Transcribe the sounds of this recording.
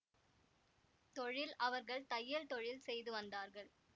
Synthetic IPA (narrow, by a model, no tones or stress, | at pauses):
t̪ɔɻɪlɐʋɐɾɣɐɭt̪ɐjːɐɭt̪ɔɻɪlsɛjðɯʋɐnd̪aːɾɣɐɭ